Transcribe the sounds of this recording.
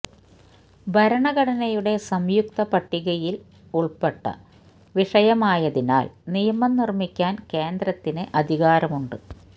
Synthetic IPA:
bʱɐɾɐɳɐɣɐɽɐnɐjuɽe̞sɐmjukt̪ɐpɐʈːiɣɐjil | uɭpeʈːɐ̰ | ʋiʂɐjɐmaːjɐðina̰ːlnijɐmɐnːirmikʲːaːnke̞ːnd̪ɾɐt̪ːineʔɐd̪ʱiɣaːɾɐmuɳɖɨ

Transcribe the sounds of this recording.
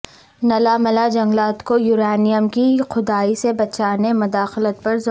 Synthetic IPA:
nɐlamɐlad͡ʒɐ̃ŋɡlaːt̪kojuːɾaːnijəmkixʊd̪aːisebɐt͡ʃaːnemʊd̪aːxlət̪pɐɾz

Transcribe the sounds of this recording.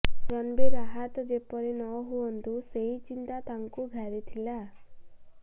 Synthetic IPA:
sɾɔnbeɾaɦat̪ɔd͡ʒepɔɾinɔɦuɔnt̪useɦit͡ʃint̪at̪aŋkuɡʱaɾit̪ʰila

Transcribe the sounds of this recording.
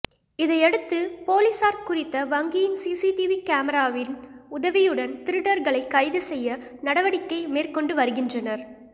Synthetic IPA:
ɪðɐɪɛɽɯt̪ːɯpoːlisaːɾkʊrɪt̪ːɐʋɐŋɡijɪnsiːsiʈiʋikaːmɐɾaːʋɪnʊðɐʋɪjɯɽɐnt̪ɪɾɯɽɐɾɣɐɭɐɪkːɐɪðɯsɛjːɐnɐɽɐʋɐɽɪkːɐɪmeːrkɔɳɖɯʋɐɾɯɣɪndrɐnɐɾ

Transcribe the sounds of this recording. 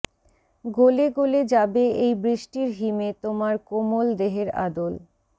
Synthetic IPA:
ɡoleɡoled͡ʑabeejbɾiʃʈiɾɦimet̪omaɾkomold̪eɦeɾa̰d̪ol

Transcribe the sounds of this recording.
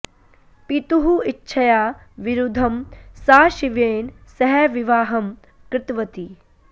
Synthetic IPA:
pit̪uɦuitːʃʰɐjaː | ʋiɾud̪ʱɐmsaːʃiʋeːnsɐɦɛʋiʋaːɦɐm | kɾɪt̪ʋɐt̪i

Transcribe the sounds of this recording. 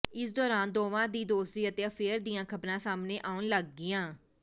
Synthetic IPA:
ɪsd̪ɔːɾaːnd̪oːʋãːd̪iːd̪oːsɾiːət̪eːəpʰeːɾd̪iːãːkʰəbɾãːsaːmneːʔaːunləɡːɪːãː

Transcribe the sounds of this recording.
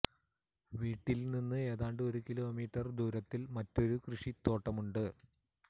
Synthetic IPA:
ʋiːʈːilninːɨe̞ːðaːɳɖɨo̞ɾukilo̞ːmiːʈːɐrd̪uːɾɐt̪ːilmɐtːo̞ɾukrɨʂit̪ːo̞ːʈːɐmuɳɖɨ

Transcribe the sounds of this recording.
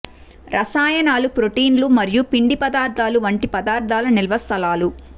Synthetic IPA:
ɾʔɐsaːjɐnaːlupɾoʈiːnlumɐɾijupiɳɖipɐd̪aːɾd̪ʱaːluʋɐɳʈipɐd̪aːɾd̪ʱaːlɐnilʋɐst̪ʰɐlaːlu

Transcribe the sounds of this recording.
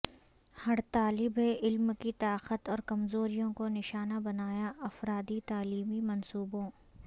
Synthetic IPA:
hɐɽt̪aːlɪbɦɛʔɪlmkit̪aːqət̪ɔːɾkɐmzoːɾijõkonɪʃaːnabɐnaːjaʔɐfɾaːd̪it̪aːliːmimɐnsuːbõː

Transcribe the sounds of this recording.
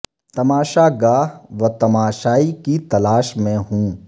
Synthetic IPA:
t̪ɐmaːʃaɡaːʋɐt̪ɐmaːʃaːikit̪ɐlaːʃmẽɦũː

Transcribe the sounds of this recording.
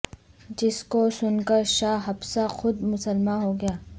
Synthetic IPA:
d͡ʒɪskosʊnkəɾʃaːɦɐbsaxʊd̪mʊsəlmaɦoɡɐjaː

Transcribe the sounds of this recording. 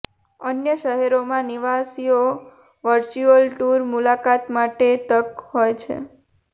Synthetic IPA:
ənjəʃəɦɛɾomãniʋasio | ʋəɾt͡ʃuəlʈuɾmulakat̪maʈet̪əkɦojt͡ʃʰḛ

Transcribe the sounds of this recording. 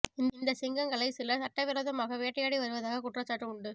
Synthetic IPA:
ɪndɪnd̪ɐsɪŋɡɐŋɡɐɭɐɪsɪlɐsɐʈːɐʋɪɾɐːðɐmaːɣɐʋeːʈːɐjaːɽiʋɐɾɯʋɐðaːɣɐkʊʈrɐt͡ʃːaːʈrɯʊɳɖɯ

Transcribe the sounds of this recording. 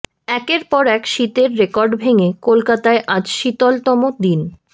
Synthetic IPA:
ɛkeɾpɔɾɛkʃit̪eɾːekɔɾɖbʱeŋekolkat̪aeʔad͡ʑʃit̪ɔlt̪ɔmod̪in

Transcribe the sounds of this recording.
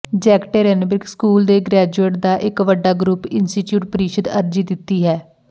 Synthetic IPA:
d͡ʒɛːkʈeːɾɛːnbɪɾkskuːld̪eːɡɾɛːd͡ʒueːʈ̚d̪aːʔɪkʋəɖaːɡɾupɪnsʈiːʈjuːʈ̚pəɾiːʃəd̪əɾd͡ʒiːd̪ɪt̪ːiːɦɛː

